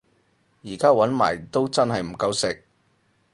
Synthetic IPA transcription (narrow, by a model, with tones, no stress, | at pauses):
jiː˨˩kaː˥wɐ˨˥nma̰ː˨˩jt̪o˥wt͡sɐ˥nɦɐ˨jm̩˨˩kɐ˧wsɪ˨k̚